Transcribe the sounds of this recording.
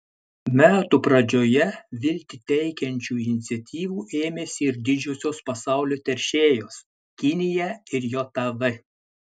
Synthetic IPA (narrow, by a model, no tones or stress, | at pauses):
mʲæːt̪uːpɾɐd͡ʒʲoːjɛʋʲɪlʲt̪ʲɪt̪ʲɛɪkʲɛnʲt͡ʃʲuːɪnʲɪt̪sʲɛt̪ʲiːʋuːʔeːmʲeːsʲɪɪɾd̪ʲɪd͡ʒʲoːsʲoːspɐsɑˑʊlʲoːt̪ʲɛɾʲʃʲeːjoːs | kʲɪnʲɪjɛɪɾjoːt̪ɐʋɐ